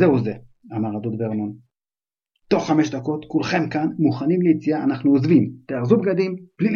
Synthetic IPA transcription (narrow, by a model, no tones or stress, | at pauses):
zeuze | amaʁad̪od̪veʁnon | t̪o̞χːameʃd̪ako̞t̪kulχe̞mkanmuχanimlejit͡sijaːnaχnuozvimt̪eaʁzubɡad̪imb̥lil